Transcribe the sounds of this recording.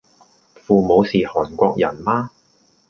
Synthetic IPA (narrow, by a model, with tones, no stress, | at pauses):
fuː˨mo˨˧wsiː˨hɔː˨˩nkʷɔː˧k̚jɐ˨˩nmaː˥